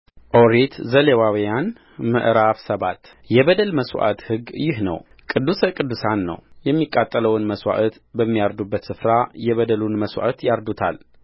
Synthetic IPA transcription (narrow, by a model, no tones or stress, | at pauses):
ʔoɾet̪zəlewawijan | mɨ̰ʔɾafsəβat̪ | jɛbəd̪əlməsw̰ʔa̰t̪hɨɡjɪhnə̰w | kʼɨd̪ːuskʼɨd̪ːusanːə̰wjɛmːikʼːat̪ʼːələwɨnməswa̰ʔət̪ | bəmːijaɾd̪ubːət̪sɨfɾajɛβəd̪əlunməswʷa̰ʔət̪jaɾd̪ut̪ʰa̰l